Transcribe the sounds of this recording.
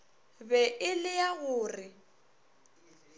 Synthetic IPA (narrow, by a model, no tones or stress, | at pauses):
bɛʔɪlɪjaɣʊːrɪ